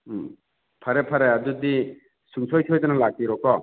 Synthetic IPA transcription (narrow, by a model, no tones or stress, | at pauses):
pʰɐɾepʰaɾeadud̪i | suŋsʰɔjsʰɔjzanalak̚iɾɔkɔ